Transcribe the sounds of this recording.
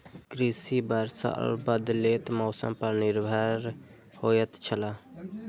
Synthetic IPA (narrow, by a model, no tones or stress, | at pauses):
kɾisibəɾsa̰ʔə̰ɾbəd̪let̪mɔːsə̰mpəɾnɪɾbʱaːɾ | hojət̪t͡ʃʰəla